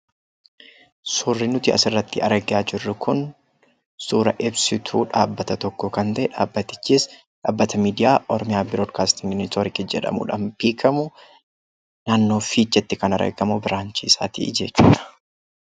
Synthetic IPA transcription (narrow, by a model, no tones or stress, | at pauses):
sʊrːɪnʊt̪ɪɐ̰sɪrːɐt̪ːɪɐ̰ɾɐɡɪaːd͡ʒɪrːʊkʊn | suːɾɐʔɪbsɪt̪ʰuːᶑaːbːɐt̪ɐt̪ɔkːɔkɐnt̪ɐʔɛᶑaːbːɐt̪ːɪ̥t͡ʃːiːs | ᶑaːbːɐt̪ɐmiːd̪ɪjaːʔɔɾɔmɪjaːbɪɾoːd̪kaːst̪ɪŋɡmɪnɪst̪oɾɪkɪd͡ʒɛ̰ᶑɐ̰mʊ̰ᶑɐ̰mpiːkʰɐmʊ | naːnːo̞ːfiːt͡ʃːɛt̪ːɪkɐnɐɾɐ̰ɡɐmʊbɪɾaːnt͡ʃiːsa̰ːt̪ḭːd͡ʒeːt͡ʃːuːᶑɐ̥